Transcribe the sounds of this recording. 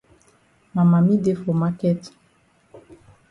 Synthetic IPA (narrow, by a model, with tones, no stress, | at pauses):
ma˨ma˨mi˦de˦fo˨ma˦kɛ˦t